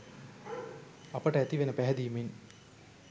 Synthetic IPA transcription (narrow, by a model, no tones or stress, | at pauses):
ɐpəʈəæt̪iʋenəpæɦɛd̪ijmen